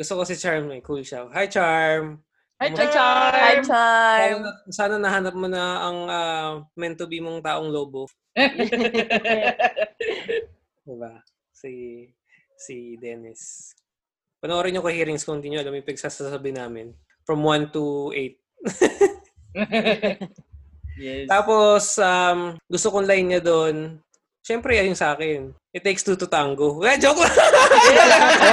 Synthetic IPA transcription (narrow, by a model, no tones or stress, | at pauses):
ɡʊst̪okɐsɪt͡ʃaɹmmɐjkult͡ʃahajt͡ʃaɹm | maaaaoɐsaːnɐnɐɦaːnɐp̚monɐɐŋʔaːmɛnt̪obimoŋt̪aːʔoŋloːbo | d̪ɪba | si | sid̪ɛnɪs | pɐnɐʔoɾɐɲokɐhiːɾɪŋskont̪iɲoɐlɐmjʊŋpɐɡ̚sasasɐbɪnaːmɪn | fɹɐmwant̪uʔejt̪̚ | t̪aːposʔamɡʊst̪okoŋlajnɲɐd̪on | ʃɛmpɾɛɐjoŋsɐʔaːkɛnʔɪt̪ːejkst̪ut̪ʊt̪aŋɡoɡad͡ʒok